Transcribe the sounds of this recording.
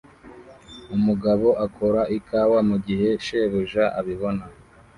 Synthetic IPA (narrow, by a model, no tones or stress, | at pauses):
umuɡaβo̞ʔakʰo̞ɾaʔikawamuɡiɦe̞ʃeβuʒaʔa̰βiβo̞na